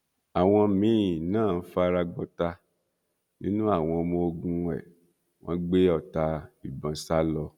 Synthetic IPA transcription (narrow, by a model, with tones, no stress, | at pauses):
a˨w̃ɔ̃˧mĩ˨˦ĩ˨nãː˦˨n̩˦fa˦ɾa˧ɡ͡bɔ˧ta˧ | nĩ˦nũ˦a˦˨w̃ɔ̃˧mo˧ɡũ˧ɛ̰˨ | wʔɔ̰̃˦ɡ͡be˦ɔ˦˨ta˧i˨bã˧sa˦lɔ˧